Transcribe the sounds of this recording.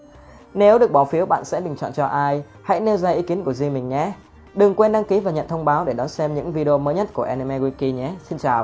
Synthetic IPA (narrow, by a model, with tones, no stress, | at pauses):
ne˨˦wɗɨ˨˩ək̚ɓɔ˧˩wfi˨˦əwɓa̰ː˧˨nsɛ̰˧˥ɓï˨˩ŋ̟t͡ɕɔ̰˧˨nt͡ɕɔ˧ʔaː˧j | ha̰˧˥jne˧wzaː˧ʔi˨˦ki˨˦ənku˧˩əzi˧mï˨˩ŋ̟ɲɛ̰˨˥˦ | ɗɨ˨˩ŋkwe˧nɗa˧ŋki˨˦vaː˨˩ɲə̰˧˨nt̪ʰə˧wŋ͡mɓaː˨˦wɗe˧˩ɗɔ˨˦nsɛ˧mɲɨ̰˧˥ŋvi˧ɗe˧o˧məː˨˦jɲə˦˥t̚ku˧˩əʔɛ˧n˧mɛ˧ɣwi˧ki˧ɲɛ˨˦si˧nt͡ɕaː˨˩w